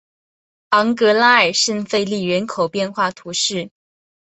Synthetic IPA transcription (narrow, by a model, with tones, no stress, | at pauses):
ɑ˧˥ŋkɤ˧˥la˥ə˞˨˩ʂə˥˧nfe˥˧ɪli˥˩ɥɛ˧˥nkʰo˨˩ʊpjɛ˥˧nxwa˥˩t̪ʰu˧˥ʂɻ̩˥˩